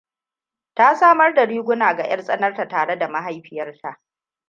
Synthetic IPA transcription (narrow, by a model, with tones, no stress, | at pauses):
ta˦saː˦mɐ˦rdɐ˨ɽiː˦ɡʷʊ˦naː˨ɡa̰˨j̰ɐ˦rsʼɐ˦nɐ˦rta˨taː˨ɽe˦da˨ma˦ɦa˦jɸɪ˨jɐ˦rtʰa˦˨ʔ